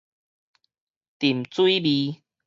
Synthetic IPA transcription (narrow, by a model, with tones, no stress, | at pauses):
t̪i˨˩mt͡swi˦bi˧